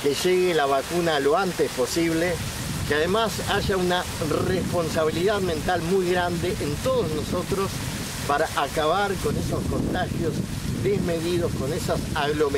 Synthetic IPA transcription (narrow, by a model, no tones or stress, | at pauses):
keʒeɣelaβakunalo̞ant̪espo̞siβle | keaðemasaʒaunarespo̞nsaβ̞iliðaðmẽ̞nt̪almujɣɾand̪eʔent̪o̞ðozno̞so̞t̪ɾo̞s | paɾaʔakaβaɾko̞ne̞so̞sko̞nt̪axjo̞z | d̪ezme̞ðið̞o̞sko̞ne̞sasaɣlo̞me